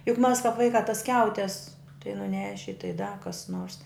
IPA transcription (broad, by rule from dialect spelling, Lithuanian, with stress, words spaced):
jʊk mɐs kɑːp ˈʋɐɪkɑː tɐs ˈsʲkʲɛʊtʲɛs tɐɪ nʊˈnʲæːʃʲɪ tɐɪ dɐ kɐs noːrs